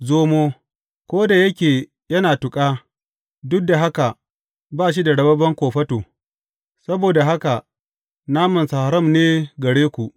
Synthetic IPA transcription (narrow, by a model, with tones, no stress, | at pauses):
zoː˦moː˦ | kʷoː˦da˨jɐ˦kʲeː˨ | jɐ˦naː˨tʊ˨kʼaː˦ | dʊ˦k̚da˨ɦa˦ka˨ʔ | baː˦˨ʃ̬i˦da˨ɽɐ˦˨bɐ˦bɐ˦ŋkʷoː˨ɸɐ˦toː˨ | sɐ˦boː˨da˨ɦa˦ka˨ | naː˦mɐ˨nsa˨ha˨ɾɐ˦˨mneː˦ɡɐ˨ɽeː˦kʷu˨ʔ